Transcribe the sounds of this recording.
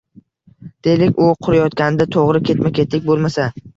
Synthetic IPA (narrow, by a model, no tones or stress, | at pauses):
d̪̥e̞lɪkʲʊqʰʊɾajɒt̪̚kʲanɪd̪at̪ʰoʁɾɪkʲʰe̞t̪makʲʰe̞t̪lɪk̚ʲbolˠmasa